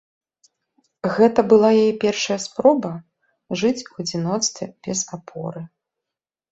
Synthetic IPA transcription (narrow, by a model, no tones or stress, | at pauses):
ɣɛt̪ɐbɨlˠajajɛpʲɛrʂɐjɐspɾɔbɐ | ʐɨt͡sʲuɐd͡zʲinɔt̪st̪vʲɛ̰b̥ʲɛzapʰɔ̰ɾɨ